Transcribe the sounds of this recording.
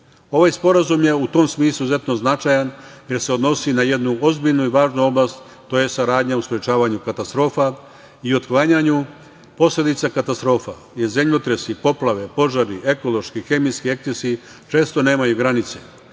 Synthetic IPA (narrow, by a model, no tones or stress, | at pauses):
o̞ʋajspo̞ɾazumje̞ut̪o̞msmiːislˠuze̞t̪no̞znat͡ʃajanje̞ɾse̞od̪no̞sinaje̞d̪nuo̞zbiʎnuiʋaːʒnuo̞blˠast̪ | t̪ojesaɾaːd̪ɲauspɾet͡ʃaːʋaɲukat̪ast̪ɾo̞ːfa | io̞t̪klaɲaɲu | po̞sle̞d̪it̪sakat̪ast̪ɾo̞ːfa̰ | jeɾzemʎot̪ɾesipo̞plˠaʋe̞po̞ʒaɾiʔe̞ko̞lˠo̞ʃkixe̞miskie̞kt̪esi | t͡ʃe̞ːst̪o̞ne̞ːmajuɡɾanit̪sḛ